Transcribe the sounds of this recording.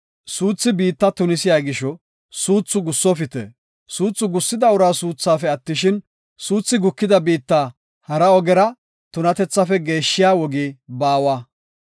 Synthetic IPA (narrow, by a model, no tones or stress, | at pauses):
suːt͡sːɪbiːt̪ːɐt̪ʊnɪsɪjaːɡɪʃɔ | suːt͡sːʊɡʊsːɔfɪt̪ɛ̰ | suːt͡sːʊɡʊsːɪd̪ɐʊɾaːsuːt͡sːaːfɛɐt̪ːɪʃɪn | suːt͡sːɪɡʊkːɪd̪ɐbiːt̪ːaː | hɐɾɐɔɡɛɾɐ | t̪ʊnɐt̪ɛt͡sːɐfɛɡe̞ːʃːɪjaːwɔɡiːbaːwa